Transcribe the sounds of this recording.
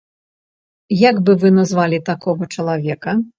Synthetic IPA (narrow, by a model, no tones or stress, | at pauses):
jaɡbɨvɨnɐzvalʲit̪akɔɣɐt͡ʂɐlˠavʲɛkɐ